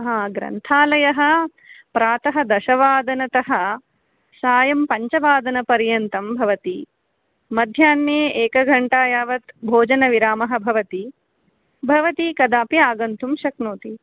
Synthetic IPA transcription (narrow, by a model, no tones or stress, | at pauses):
ɦãːɡɾɐ̰nt̪ʰaːlɐjɐɦɐ̆ | pɾaːt̪ɐɦɐ̆d̪ɐʃɐʋaːd̪ɐnɐt̪ɐɦɐ̆ | saːjɐmpɐɲt͡ʃɐʋaːd̪ɐnɐpɐɾjɐnt̪ɐmbʱɐʋɐt̪i | mɐd̪ʱjaːnːeːeːkɐɡʱɐɳʈaːjaːʋɐt̪bʱoːd͡ʒɐnɐʋiɾaːmɐɦɐ̆bʱɐʋɐt̪i | bʱɐʋɐt̪ikɐd̪aːpiaːɡɐnt̪ʰumʃɐknoːt̪i